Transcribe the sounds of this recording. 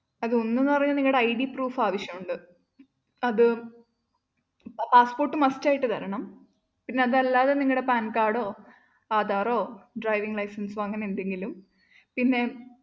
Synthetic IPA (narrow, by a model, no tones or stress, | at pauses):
ɐðonːenːɨpɐrɐɲːɐniŋːɐɽeɐjɖipruːfaːʋɐɕjɐmuɳɖɨ | ɐðɨ | paːspo̞ːrʈːɨmɐstaːjiʈːɨt̪ɐɾɐɳɐm | pinːe̞ɐðɐlːaːðe̞niŋːɐɭɽe̞paːnkaːɽo̞ː | aːd̪aːro̞ːɖrɐjʋiŋɡlɐjsɐnsʋɐŋːɐne̞nd̪e̞ŋɡilum | pinːe̞